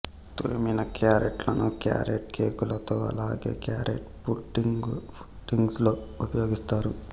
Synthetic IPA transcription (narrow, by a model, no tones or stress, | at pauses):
t̪uɾiminɐkaːɾeʈlɐnukja̰ːɾeʈkeːkulɐt̪oːɐ̰laːɡḛːkjaːɾeʈpuʈːiŋɡpu̥ʈːiŋɡsloːupɐjo̞ːɡist̪aːɾu